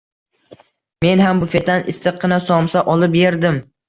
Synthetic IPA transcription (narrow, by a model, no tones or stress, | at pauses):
me̞nɦambʊfe̞t̪ʰanʔɪsːɨqʰːɨnasɒmsaʔɒlˠɪpjeɾd̪ɪm